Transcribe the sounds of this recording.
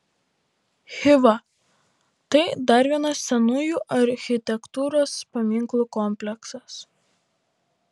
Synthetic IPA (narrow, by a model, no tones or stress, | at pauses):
xʲɪʋɐ | t̪ɐɪd̪ɐɾʲʋʲiɛnɐssʲɛnuːjuːʔɐɾʲxʲɪt̪ʲɛkt̪uːɾoːspɐmʲɪŋˑklˠuːkɔmʲpʲlʲɛksɐs